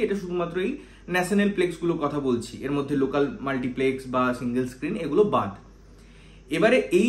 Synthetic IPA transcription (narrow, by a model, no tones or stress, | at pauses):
eʈaʃud̪ʱumat̪ːɾoej | nɛʃonelpleksɡulokɔt̪ʰabolt͡ɕʰiʔeɾmod̪ʱːelokalmalʈipleksbasiŋɡelskɾineɡulobad̪ | ebaɾeʔe